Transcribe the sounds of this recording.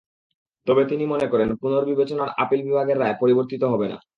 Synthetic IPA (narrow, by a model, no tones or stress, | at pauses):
t̪ɔbet̪inimonekɔɾenpunoɾbibet͡ɕonaɾa̰pilbibʱaɡeɾːaepoɾiboɾt̪it̪oɦɔbena̰